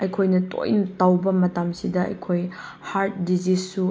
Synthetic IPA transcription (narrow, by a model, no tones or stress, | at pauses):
ɐjkʰojnɐto̰jnɐtawbɐmɐtamsidɐɐ̰jkʰoj | haɾt̚dizissu